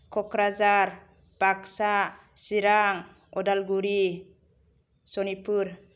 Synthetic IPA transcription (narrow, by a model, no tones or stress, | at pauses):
kʰɔkɾazaɾ | b̥aksa | siɾaŋ | ɔdalɡuɾi | sɔnipuɾ